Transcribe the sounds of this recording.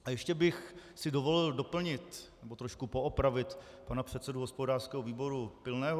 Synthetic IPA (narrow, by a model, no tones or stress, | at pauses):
ajɛʃcɛbɪxsɪdovo̞lɪldo̞pl̩ɲɪt̪nɛbot̪ɾoʃkupoʔopɾavɪt̪ | panapr̝̥ɛt̪sɛduɦospo̞daːrskɛːɦoviːbo̞ɾupɪlnɛːɦo